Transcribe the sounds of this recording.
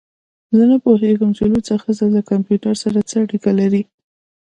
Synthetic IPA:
zənapoɦeɡəmt͡ʃelut͡səxazalakampjuʈaɾsaɾat͡səaɽikalaɾi

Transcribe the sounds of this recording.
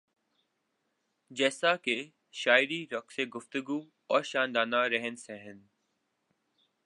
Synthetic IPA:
d͡ʒɛːsake | ʃaːɪɾiɾɔkseɡʊft̪ʊɡuː | ɔːɾʃaːnd̪aːnaɾəɦənsɛɦɪn

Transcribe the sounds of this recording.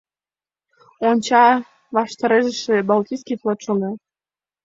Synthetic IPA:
onʲt͡ɕɑ | βɑʃt̪ɑɾeʒə̆ʃĕbɑlt̪ʲijskijflˠot̪ʃoɡɑ

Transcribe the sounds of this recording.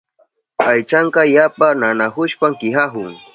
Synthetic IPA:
ajt͡ʃaɴkɑjapananaxʊʃpaŋkɪɦaɦʊŋ

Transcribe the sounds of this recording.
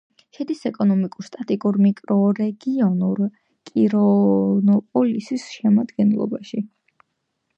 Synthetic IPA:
ʃɛd̪isɛkʼɔnɔmikʼuɾst̪ʼat̪ʼikʼuɾmikʼɾɔɾɛɡiɔnuɾ | kʼiɾɔnɔpʼɔlisisʃɛmad̪ɡɛnlˠɔ̰baʃi

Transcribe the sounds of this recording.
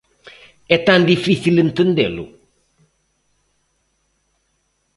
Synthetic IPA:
ɛt̪ãnd̪ifiθilɨnt̪ɨnd̪elṵ

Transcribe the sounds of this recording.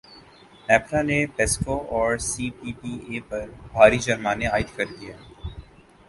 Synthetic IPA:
nɛːpɾanepɛːskoʔɔːɾsiːʈiːʈiːeːpɐɾbʱaːɾid͡ʒɐɾmaːneaːɪʈ̪kɐɾd̪ijaː

